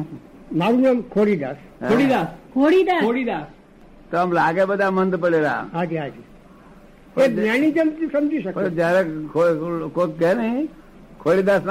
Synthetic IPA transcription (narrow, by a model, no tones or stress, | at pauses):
maɾuɲamkʰoɽid̪aːs | koːɽid̪aːskʰoɽid̪aoɽid̪aːs | t̪oəmlaːɡebəd̪ʱamənd̪pəɽeɾa̰ɦad͡ʒiaːd͡ʒi | pebañid͡ʒənusɐmd͡ʒiʃəkd͡ʒaɾekʰokot̪̚kɛnəɦĩ | kʰoːɽid̪asn